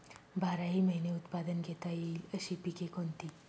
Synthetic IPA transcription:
bʱaɾaɦiːməɦineut̪pad̪ənɡʱet̪aiːləɕiːpikekont̪iː

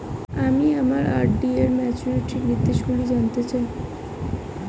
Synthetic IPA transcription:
amiamaɾʔa̰ɾɖieɾmɛt͡ɕuɾeʈiɾit̪ːeʃɡulid͡ʑant̪et͡ɕai

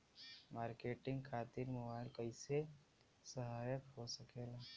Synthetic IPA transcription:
maːɾkeːʈɪ̃ŋɡkʰaːt̪iɾmobaːɪlkɐɪse | sɐɦaːjəkɦosɐkeːɡaː

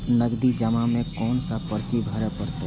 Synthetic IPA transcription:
nəɡd̪id͡ʒəmãmẽkɔːnsapəɾt͡ʃibʱəɾepəɾt̪a

